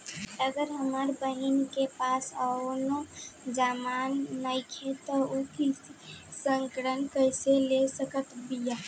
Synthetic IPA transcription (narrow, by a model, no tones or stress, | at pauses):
əɡəɾɦəməɾbəɦinkepaːsənod͡ʒaːmaːnːəɪkʰet̪oukisəŋkəɾənkəɪselesəkət̪bijaː